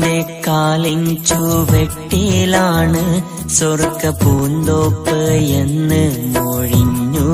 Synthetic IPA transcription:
d̪ekaːliŋt͡ʃuʋeʈːilaːɳɨ | sorkːɐpuːnd̪oːpːɨenːɨmoɻiɲːu

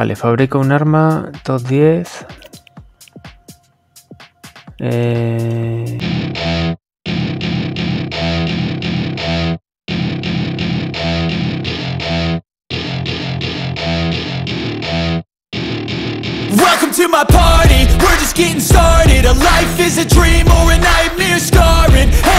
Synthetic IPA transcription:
a̰lʔefaβɾikounaɾmat̪ot̪̚ðjeθ | e | wɛlˠkə̃mtʰɨmaɪpʰɑɹɾiwɪɹd͡ʒʌsɡ̥ɛɾɪ̃ŋstɑɹɾɪɾəlaɪfɪzɨdɹĩmɔɹɨnaɪ̃nɪɹskɑɹɹɪ̃n

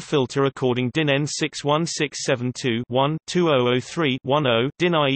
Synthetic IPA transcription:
fɪlˠtʰəɹəkʰɔːɾɪ̃ŋdɪ̃nɛ̃nsɪkswʌ̃nsɪksɛvə̃ntʰʉːwʌ̃ntʰʉːəʊəʊθɹiːwʌ̃nəʊd̥ɪ̃naɪ

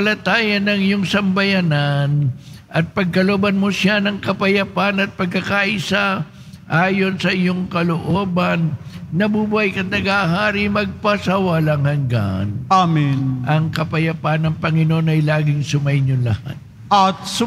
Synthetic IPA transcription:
ɐlɐt̪aːjɐnɐŋɪjoŋsɐmbɐjanan | ʔɐt̪̚pɐɡ̚kɐlo̞ːbɐnmosjanɐŋkɐpɐjɐpanɐt̪̚pɐɡ̚kɐkaʔɪsa | ʔaːjo̞nsɐʔɪjo̞ŋkɐloʔo̞ːbɐnːɐbubuhajkɐt̪̚nɐɡaɦaːɾimɐɡ̚pɐsawalɐŋhɐŋɡa̰naminʔɐŋkɐpɐjɐpanɐŋpɐŋɪnoo̞nɐjlaːɡɪŋsʊmɐjɲʊnlɐ̰ha̰t̪̚ | ɐt̪s

